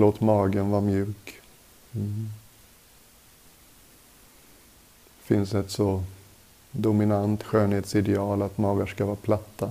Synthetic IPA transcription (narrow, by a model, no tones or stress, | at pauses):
loːt̪mɑːɡənvaɾmjʉ̟ːk | fɪnsɛt̪sɔ | d̪ʊmɪnant̪ɧøːnheːt̪sɪd̪ɛɑːlat̪mɑːɡaʂkavɑːpʰlat̪ːa